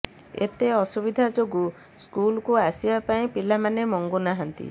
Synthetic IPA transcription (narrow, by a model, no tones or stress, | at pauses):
ḛt̪eɔsubid̪ʱad͡ʒoɡu | skulkuasibapaĩpilamanemɔŋɡunaɦɔnt̪ḭ